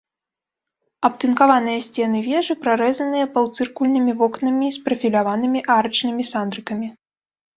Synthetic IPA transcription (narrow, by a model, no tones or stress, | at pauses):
ɐpt̪ɨnkavanɨjɐsʲt͡sʲɛn̪ɨvʲɛʐɨpɾaɾɛzɐnɨjɐpɐwt̪sɨrkulʲnɨmʲivɔknɐmʲispɾɐfʲilʲavanɨmʲiʔaɾɐt͡ʂnɨmʲisand̪ɾɨkɐmʲi